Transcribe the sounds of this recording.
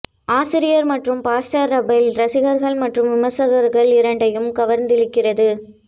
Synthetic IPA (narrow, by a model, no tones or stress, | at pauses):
aːsɪɾɪjɐɾmɐʈrɯmpaːsʈɐɾːɐbɐlɾɐsɪɣɐɾɣɐɭmɐʈrɯmʋɪmɐsɐɣɐɾɣɐɭɪɾɐɳɖɐjɯmkɐʋɐɾnd̪ɪɭɪkːɪrɐðɯ